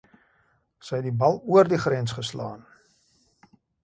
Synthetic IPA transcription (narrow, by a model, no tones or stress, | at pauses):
səjɛtdibɐlˠuərdiχrɛnsχəslɑːn